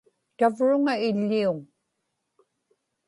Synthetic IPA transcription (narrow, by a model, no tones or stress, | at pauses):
t̪avɻʊŋaɪʎːiʊŋ